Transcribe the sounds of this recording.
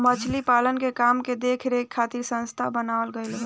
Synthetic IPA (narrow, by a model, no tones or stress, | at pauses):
mət͡ʃʰlipalənkekamked̪ekʰɾekʰːat̪iɾsə̃nst̪ʰabənaəlɡəɪl